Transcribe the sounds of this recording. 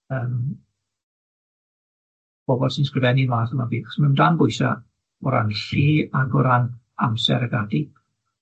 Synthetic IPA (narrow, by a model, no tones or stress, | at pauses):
əːm | b̥ɔbɔldsɪnskrɪvɛnivaːθəmabiːɔ̥smandanbʊɨsa̰ | ʊɾa̰nɬiːaɡʊɾan | amsɛ̰ɾəɡadi